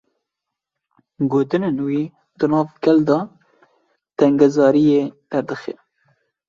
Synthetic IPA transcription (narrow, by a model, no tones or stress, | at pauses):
ɡoːt̪ɨnenwiː | d̪ɨnɑːvkɛld̪ɑ | t̪ɛŋɡɛzɑːɾijed̪̥ɛɾd̪ɨxḛ